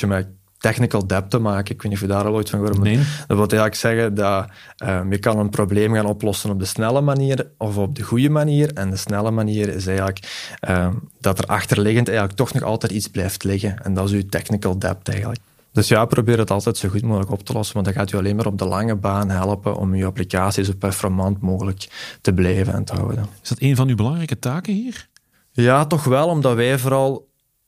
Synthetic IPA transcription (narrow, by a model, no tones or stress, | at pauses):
əmɛ | tɛxnikəlˠdɛp̚təmaːkənɪkwɪnɔfədaːɾɑlˠoːjtfɑnɣoːɾəmdəʋɪlˠtɛːɣələksɛɣədɑ | əjəkɑnənprobleːmɣaːnɔplɔsənɔb̚dəsnɛləmaniːrʔɔvɔb̚dəɣujəmaniːrɛndəsnɛləmaniːɾɪ̰s̬ɛːjɣələkəd̥ɑtərʔɑ̰xtərlɪɣəntɛːɣələk̚tɔxnɔxɑ̰lˠtɛːtidzblɛːjftlɪɣəɛndɑtɪzytɛxnɪkəlˠdɛ̰p̚tɛ̰ːɣənlək | d̥ɵsjaːprobɪːɾətɑlˠtɛtsoːɣutmoːɣələkɔptəlɔsəmadɑɣaːtyɑleːnmaːɾɔb̚dəlʔɑŋəbaːnɦɛlˠəpə̰nʔɔ̰myaplikaːsizoːpɛrfɔrmɑntmoːɣələktəblɛːvənɛ̰ntəɦɑ̰wdənɪz̥dɑteːnvɑnybəlɑŋrɛjkətaːkəhiːr | jaːtɔxʋɛlˠɔmdɑtwɛːjvoɾɑlˠ